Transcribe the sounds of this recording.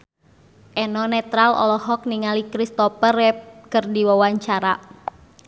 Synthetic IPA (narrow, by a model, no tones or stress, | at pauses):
ʔɛnɔnɛt̪ɾalɔ̰lɔhɔk̚niŋalikɾist̪ɔpərɛp̚kərdiwawaɲt͡ʃaɾa